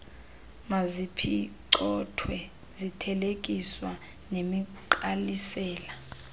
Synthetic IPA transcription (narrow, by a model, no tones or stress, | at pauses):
mazipʰiǀɔtʰwɛ | zitʰɛlekʼiswa | nemiǃalisɛːla